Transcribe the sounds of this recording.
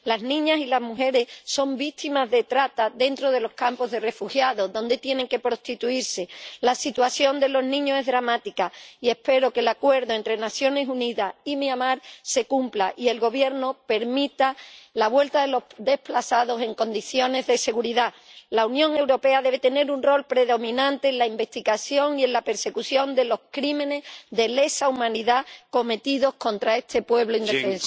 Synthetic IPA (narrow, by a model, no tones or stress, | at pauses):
laznĩɲasilazmuxe̞ɾe̞sso̞mbit̪ʰimazðe̞t̪ɾat̪aðe̞nt̪ɾo̞ð̞e̞lo̞hkampo̞zðe̞re̞fuxjaðo̞ðo̞nd̪e̞t̪je̞ne̞ŋke̞pɾo̞st̪it̪uiɾse̞lasit̪waθjo̞nd̪e̞lo̞znĩɲose̞ɦðɾamat̪ikaie̞hpe̞ɾo̞ke̞lakwe̞ɾðo̞e̞nt̪ɾe̞naθjo̞ne̞suniðaimiamaɾse̞kumplaʔie̞lɣo̞βje̞ɾno̞pe̞ɾmit̪alaβwe̞lt̪aðelo̞d̪e̞hplasaðo̞se̞ŋko̞nd̪iθjo̞ne̞zðe̞se̞ɣuɾiða | launjõŋe̞wɾo̞pe̞aðe̞β̞e̞t̪e̞ne̞ɾunro̞lpɾe̞ðo̞mĩnãnt̪e̞ːnlaimbe̞st̪iɣaθjo̞ŋie̞nlape̞ɾse̞kuθjo̞nd̪e̞lo̞hkɾimẽ̞ne̞zðe̞le̞saumãniðako̞me̞t̪iðo̞hkõ̞nt̪ɾae̞ht̪ʰe̞pwe̞βloind̪efẽ̞nsḁ